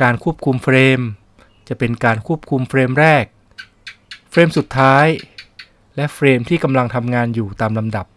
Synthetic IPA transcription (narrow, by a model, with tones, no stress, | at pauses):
kaː˧nkʰu˥əp̚kʰu˧mfɾeː˧m | t͡ɕa˨˩ʔpe˧nkaː˧nkʰuː˥˩əp̚kʰu˧mfɾeː˧mɾɛː˥˩k̚ | fʰɾeː˧msu˨˩t̪ʰːaː˦˥j | lɛ˦˥ʔfɾeː˧mt̪ʰiː˥˩ka˧mla˧ŋt̪ʰa˧mŋaː˧njuː˨˩t̪aː˧mla˧mda˨˩p̚